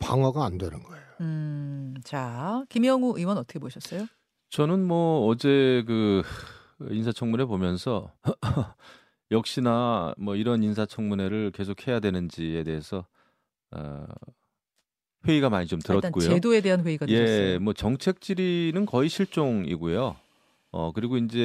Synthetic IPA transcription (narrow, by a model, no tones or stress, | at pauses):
pa̰ŋwaɡaːndwenɯnɡʌejoɯ | t͡ɕakimjʌŋuʔiwʌnʌt͈ʰʌ̥kʰeboɕʰʌs͈ʌjo | t͡ɕʌnɯnmwʌːd͡ʑe̞k̬ɯ | insʰat͡ɕʰʌŋmune̞pomjʌnsʰʌ | jʌk̚ɕ͈inamwʌiɾʌnins̬ʰat͡ɕʰʌŋmune̞ɾɯɭke̞sʰokʰhe̞jadwe̞nɯnd͡ʑie̞de̞ɦesʰʌ | ʌ̰ | ɸwe̞iɡamaɲit͡ɕomtɯɾʌtk͈ojodoe̞de̞ɦanɸwe̞iɡatje̞mwʌt͡ɕʌŋt͡ɕʰe̞k̚t͡ɕ͈iɾinɯnkʌiɕʰiɭt͡ɕ͈oŋḭɡojo | ʌ̰kɯɾiɡoind͡ʑe̞